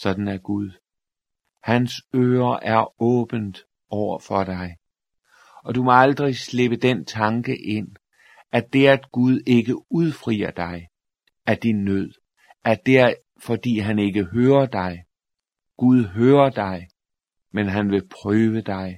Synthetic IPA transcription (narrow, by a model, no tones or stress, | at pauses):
sɒ̽d̥n̩æɡ̥uð̞ˠ | hænsø̰ːɐʔæɐɔ̰̽ːb̥ən̩d̥ | ɒʊ̰ɐfɒ̽d̥ɑ̈ɪ | ɒ̽d̥umɒ̽ɑ̈ld̥ʁisle̝b̥əd̥ent͡sʰɑ̈ŋɡ̥əʔe̝n̰ | æd̥e̝æd̥ɡ̥uð̞ˠe̝ɡ̥əuð̞ˠfʁḭːɐd̥ɑ̈ɪ | æd̥inːøð̞̰ˠ | æd̥e | fɒ̽d̥ḭːɦæne̝ɡ̥əɦøːɐd̥ɑ̈ɪ | ɡ̥uð̞ˠɦøːɐd̥ɑ̈ɪ | menɦænʋe̝pʰʁøːʋəd̥ɑ̈ɪ